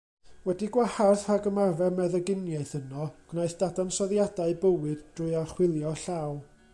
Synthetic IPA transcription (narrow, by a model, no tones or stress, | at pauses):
wɛdiɡwaharθaɡəmarvɛrmɛðəɡɪnjaɨθənɔɡ̥najθd̥adansɔðjadaɨbəwɨdd̥rʊːjaχwɪlˠjɔɬaw